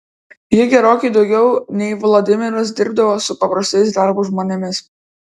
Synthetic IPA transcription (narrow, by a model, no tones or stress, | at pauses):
jɪɡʲɛɾoːkʲɛɪd̪ɒʊɡʲɛʊnʲɛɪʋlˠoːd̪ʲɪmʲɪɾɐs̬d̪ʲɪɾb̚d̪ɐʋoːsʊpɐpɾɐsʲt̪ʲɛɪsd̪ɑɾbuˑʒmoːnʲɛmʲɪs